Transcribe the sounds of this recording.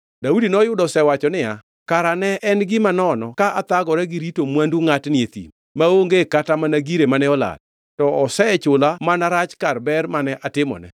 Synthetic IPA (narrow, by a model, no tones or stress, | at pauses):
daudinɔjʊdɔsɛwat͡ʃɔnɪja | kaɾanɛʔɛnɡɪmanɔnɔkaat̪aɡɔɾɛɡɪɾitomwanduŋatnɪet̪ḭm | maoŋɡekatamanaɡiɾemanɛɔla̰d̚ | tɔɔsɛt͡ʃʊlamanaɾat͡ʃkarbɛɾmanɛʔatɪmɔ̰nɛ̰